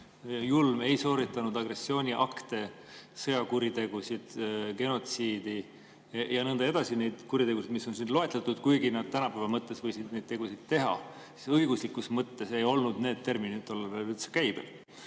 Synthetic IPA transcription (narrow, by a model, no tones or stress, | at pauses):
julme̞jso̞ːɾit̪ːˑɑnud̪̥ɑɡ̥re̞sːio̞ːnʲiʔɑkt̪e̞ | sɤjɑkuɾit̪e̞ɡ̥usid̪̥ke̞no̞t̪siːd̪̥i | jɑnɤnd̪ɑe̞d̪̥ɑsine̞jd̪̥kuɾit̪e̞ɡusid̪miso̞nsind̥̪lo̞e̞t̪let̪ːˑud̪̥kujɡinɑd̪̥̚t̪ænɑpæːvɑmɤt̪ːˑe̞svɤjsid̪nejd̥̪t̪e̞ɡ̥usid̪̥t̪e̞ɦɑ̰ | si̥sɤjɡ̥uslikːˑusmɤt̪ːe̞se̞jo̞lnud̪̥ne̞ːd̪̥̚t̪ːe̞rminit̪ːˑo̞lːɑvebyt̪se̥kæjb̥ḛl